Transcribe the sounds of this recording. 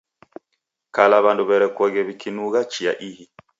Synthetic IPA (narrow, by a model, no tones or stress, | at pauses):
kalaβanduβɛɾɛkwɔɣɛβikʰinuɣat͡ʃia̰ʔihi